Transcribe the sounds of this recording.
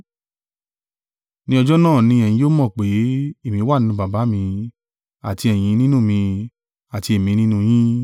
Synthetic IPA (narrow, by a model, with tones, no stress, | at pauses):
nĩ˧ɔ˧d͡ʒɔ˦nãː˦˨nĩ˧˦ɛ˧˨j̃ĩ˧˦jo˦mɔ̃˦˨k͡pe˨˦e˦˨mĩ˧˦wa˦˨ĩ˦nũ˧ba˨ba˨˦mĩ˧ | a˨ti˧ɛ˨j̃ĩ˨˦nĩ˦nũ˦˨mĩ˧ | a˨ti˧e˨mĩ˧nĩ˦nũ˦˧j̃ĩ˦